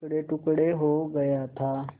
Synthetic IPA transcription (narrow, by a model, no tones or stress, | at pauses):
kɽeʈukɽeɦoɡəjat̪ʰa